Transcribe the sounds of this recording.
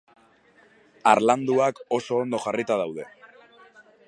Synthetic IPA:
aɾland̪uako̞so̞ːnd̪o̞ʝarit̪að̞awð̞e̞

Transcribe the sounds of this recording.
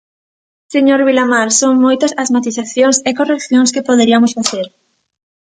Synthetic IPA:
seɲoɾβilamaɾsoŋmojt̪ɐsɐzmat̪iθaθjoŋsekorekθjoŋskepoðeɾiɐmʊsfaθeɾ

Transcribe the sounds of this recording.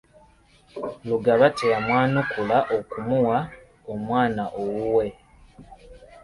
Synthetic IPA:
luɡaβateamwaːnukulaʔo̞kumuwa | omwaːnaʔowuwe

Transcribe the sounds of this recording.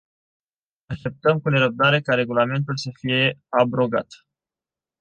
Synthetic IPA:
aʃt̪e̞p̚t̪əmkune̞ɾəb̚d̪aɾe̞kaɾe̞ɡulame̞nt̪ulsəfije̞abɾo̞ɡa̰t̪

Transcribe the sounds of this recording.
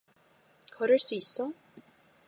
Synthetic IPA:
kʰʌɾɯɭs͈uisːʌ

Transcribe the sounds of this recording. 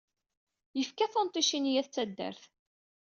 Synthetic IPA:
jəfkæθont̪ˤiʃinjæθt͡sːæd̪ːə̰ɾθ

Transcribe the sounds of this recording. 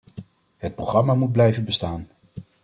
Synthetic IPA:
ɦət̚proχrɑmaːmud̚blɛjvənbəstaːn

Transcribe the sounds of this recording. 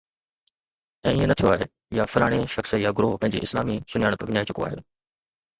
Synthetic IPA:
ɛ̃ːɪɦẽnɐt̪ʰijoaːɦe | jafɐlaːɽ̃eʃɐxsəjaɡʊɾoːɦpɐ̃ɦɪ̃ɲd͡ʑḛɪslaːmisʊnɪjaːɽ̃pɐɡɲaːit͡ɕʊko̰aːɦɪ̰l

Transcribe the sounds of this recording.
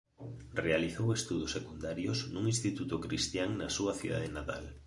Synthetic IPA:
realiθowest̪uð̞osːekund̪aɾjoznuŋĩnst̪it̪ut̪ʊkɾist̪jaŋnasuɐθiða̰ðenat̪a̰l

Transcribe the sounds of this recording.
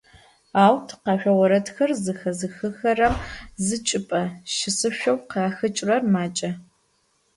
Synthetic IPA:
aːwtʰqɑːɕʷᶣɐwɔɾɐtxɐrzɨxɐzɨxɨxɐrɐmzɨt͡ʃʼɪpʼɐʃɪsɨʃᶣʷɐwqɑːxɨt͡ʃʼrɐrmaːt͡ʃʼɐ

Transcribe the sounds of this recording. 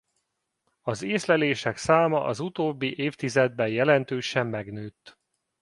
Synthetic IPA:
ɒzeːslɛleːʃɛksaːmɒʔɒzut̪oːbːiʔeːft̪izɛd̪̚bɛjjɛlɛnt̪øːʃɛmːɛɡnøːt̪ː

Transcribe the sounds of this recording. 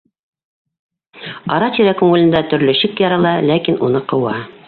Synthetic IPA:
ɑɾɑt̪iɾækŋŭlɘ̆nd̪æt̪ɵ̆ɾlɵ̆ɕɘkjɑɾɑlˠɑlækinʔunɤqɤ̆wɑ

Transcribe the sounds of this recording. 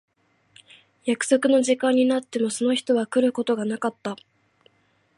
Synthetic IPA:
jakɯ̟̥so̞kɯ̟no̞ʑikãɲ̟ːinat̪ːe̞mo̞so̞no̞çi̥t̪o̞βakɯ̟ɾɯ̟ko̞t̪o̞ɡanakat̪ːa

